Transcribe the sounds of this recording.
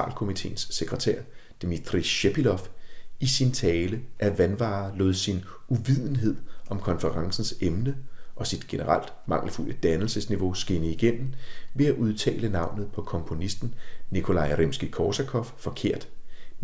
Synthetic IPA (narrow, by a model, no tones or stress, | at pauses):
ɑ̰̈ːlkʰo̝mit͡sʰe̝̰ːnsːeɡ̥ʁɐt͡sʰæɐ̰d̥imit͡sʰʁiɕepilɒ̽fisint͡sʰɛːləʔæʋænʋɑ̰̈ːlo̰ːðˠsin | ʔuʋið̞̰ˠn̩ɦe̝ð̞̰ˠʔɒ̽mkʰɒ̽nfəʁɑ̈ŋsn̩semnəʔɒ̽sid̥ɡ̥e̝nəʁal̰d̥mɑ̈ŋ̰l̩ful̰əd̥ænl̩səsniʋo̝sɡ̥e̝nəiɡ̥en̰m̩ʋe̝æʔuð̞ˠt͡sʰɛ̰ːlənɑ̈ʊ̰nð̞̩ˠpʰɒ̽kʰɒ̽mpʰo̝nisd̥n̩nikʰo̝lɑ̈ɪʁemsɡ̥ikʰɒːsækʰɒ̽ffɒ̽kʰe̝ɐ̰d̥